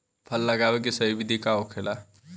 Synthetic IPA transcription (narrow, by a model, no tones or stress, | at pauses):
pʰəlːəɡabek̬esəibid̪ʱikaokʰela